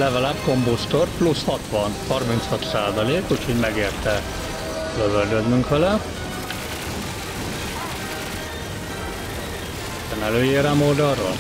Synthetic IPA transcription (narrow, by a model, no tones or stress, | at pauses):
lɛvɛlɛpkombust̪orplushɒt̪ʋɒnhɒrmint̪shɒt̪saːzɒleːkucʰhoɟmɛɡeːrt̪ɛ | løvøld̪ød̪nyŋkʋɛlɛ | ɛmɛløːjeːɾaːmoːd̪ɒro̰l